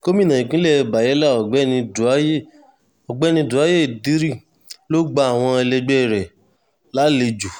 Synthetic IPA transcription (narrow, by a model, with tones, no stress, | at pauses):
ko˦mĩ˦nã˨ĩ˨kĩ˦lɛ˦˧˨ba˨jɛ˨˦la˦˨ɔ˨ɡ͡bɛ˨˦nĩ˧˨a˦je˦˨ | ɔ˨ɡ͡bɛ˦nĩ˧du˨a˨˦je˦˨di˨˦ɾi˦ | lo˦ɡ͡ba˧a˨w̃ɔ̃˧ɛ˧lɛ˧ɡ͡bɛ˦˨ɾɛ˨ | la˨˦le˧d͡ʒu˨